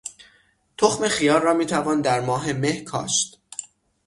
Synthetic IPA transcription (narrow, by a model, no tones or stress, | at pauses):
t̪ʰoxmexijɒːɾːɒːmiːt̪ʰævɒːnd̪æɾmɒːɦe̞mehkʰɒ̰ːʃt̪